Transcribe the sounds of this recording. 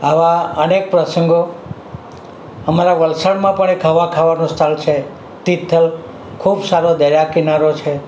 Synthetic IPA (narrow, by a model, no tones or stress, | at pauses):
aʋaənek̚pɾəsəŋɡo | əmaɾaʋəlsaɽmãpəɳekʰəʋakʰaʋanũst̪ʰalt͡ʃʰe | t̪it̪ʰːəl | kʰubsaɾod̪əjakinaɾot͡ʃʰe